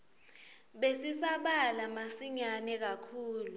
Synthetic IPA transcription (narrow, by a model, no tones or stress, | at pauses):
ɓesisaɓalamasiɲanɛk̬akʰuːlu